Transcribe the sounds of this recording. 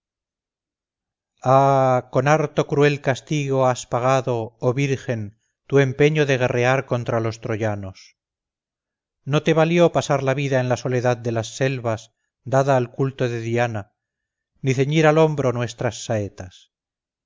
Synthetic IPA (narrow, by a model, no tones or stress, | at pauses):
ako̞naɾt̪o̞kɾue̞lkast̪iɣo̞aspaɣ̞aðo̞ːβiɾxe̞n | t̪ue̞mpe̞ɲoðe̞ɣ̞e̞re̞aɾko̞nt̪ɾalo̞st̪ɾoʝano̞s | no̞t̪e̞βaljo̞pasaɾlaβiðaenlaso̞le̞ðað̚d̪e̞lasːe̞lβas | d̪aðaːlkult̪o̞ðe̞ðiana | niθe̞ɲiɾalo̞mbɾo̞nwe̞st̪ɾasːaet̪as